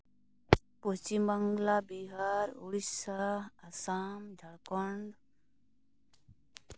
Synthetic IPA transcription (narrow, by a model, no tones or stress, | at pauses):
pot͡ɕimɐŋɡlaːbiɦaːɾuɽisaɐsaːmd̪ʱɐɽkoɳɖ